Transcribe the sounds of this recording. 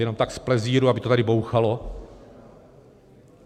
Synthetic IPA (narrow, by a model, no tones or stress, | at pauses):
jɛno̞mt̪aksplɛziːɾuabɪt̪o̞t̪adɪbowxalo̞